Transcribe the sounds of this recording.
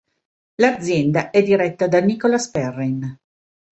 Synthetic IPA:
lad̪zːjɛnd̪aʔɛd̪iɾɛt̪ːad̪anikolaspɛrːin

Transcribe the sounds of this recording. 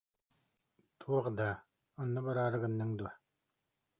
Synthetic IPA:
t̪ʰuɔχd̪aː | ɔnːubaɾaːɾɯɡɯnːɯŋd̪ua

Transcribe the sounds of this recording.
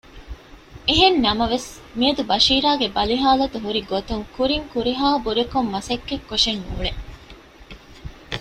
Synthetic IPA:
eɦenːɐmɐʋes | miɐd̪ubɐʃiːɾaːɡebɐliɦaːlɐt̪uɦuɾiɡot̪uŋkuɾiŋkuɾiɦaːbuɾekomːɐsɐkːekːoʂenːṵːɭe

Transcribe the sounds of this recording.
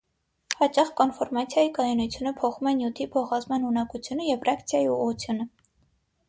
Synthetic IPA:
hɑt͡ʃɑχkɔnfɔɾmɑt͡sʰjɑjikɑjɔnut͡sʰjunəpʰɔχumɛnjut̪ʰipʰɔχɑzmɑnhunɑkut͡sʰjunəjɛvrɑkt͡sʰjɑjiuʁut͡sʰjunə

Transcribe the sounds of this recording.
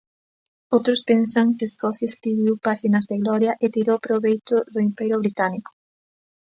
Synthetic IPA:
owt̪ɾʊspensɐŋkɪːskɔθjeskɾiβ̞iwpaʃinɐzðɪɣlɔɾjɐʔet̪iɾowpɾoβejt̪ʊðʊimpɛɾjʊβɾit̪anikʊ̥

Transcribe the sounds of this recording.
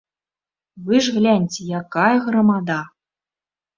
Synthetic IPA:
vɨʐɣlʲænʲt͡sʲejakajɐɣrɐmad̪a

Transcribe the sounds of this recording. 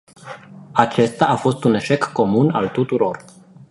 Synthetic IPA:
at͡ʃe̞st̪aafo̞st̪une̞ʃe̞kːo̞muna̰lt̪ut̪uɾo̞r

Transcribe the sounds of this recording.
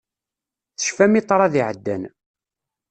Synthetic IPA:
θə̥ʃfæmit̪ˤːɾˤɑðiʕəd̪ːæ̰n

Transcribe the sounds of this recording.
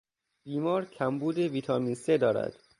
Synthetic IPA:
b̥iːmɒːɾkʰæmbuːd̪eviːt̪ʰɒmiːnsed̪ɒːɾæ̰d̪̥

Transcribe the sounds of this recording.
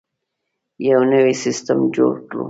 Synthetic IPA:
jawnəwisɪstəmd͡ʒo̰ɽklṵ

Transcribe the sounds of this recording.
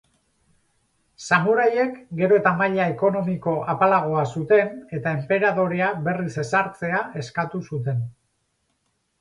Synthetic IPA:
samuɾaje̞kɡe̞ɾo̞e̞t̪amaʎaeko̞no̞miko̞ʔapalaɣ̞o̞asut̪e̞ne̞t̪ae̞mpe̞ɾaðo̞ɾeaβe̞rise̞saɾt͡se̞ae̞skat̪usut̪e̞n

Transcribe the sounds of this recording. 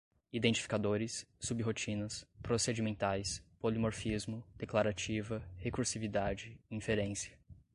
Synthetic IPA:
id̪ẽnt͡ʃi̥fi̥kad̪oɾɪsːubiɦot͡ʃĩnɐspɾosed͡ʒimẽnt̪ajspolimoɾfizmʊd̪̥eklaɾat͡ʃivɐhekuɾsivid̪ad͡ʒɪĩfeɾẽsiɐ̥

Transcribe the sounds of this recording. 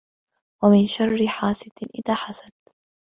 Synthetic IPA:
wamɪnʃarːɪħaːsɪd̪ʔɪ̰ðaːħasadt̪

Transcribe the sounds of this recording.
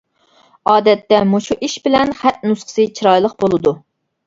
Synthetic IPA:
ɑːd̪ɛt̪ːɛmuʃuʔiʃbɪlɛnχæt̪̚nusqʰə̥sɨt͡ʃʰiɾɑjlˠəqbolˠɨd̪u

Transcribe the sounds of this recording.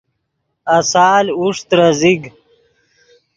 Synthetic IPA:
ɐsaːluʂt̪ɾɐziɡ

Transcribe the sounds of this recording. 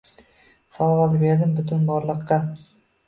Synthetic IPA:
sawwɑlɪbeɾd̪ɪmbʊt̪ʰʊnmɒɾlˠɨqːɑ

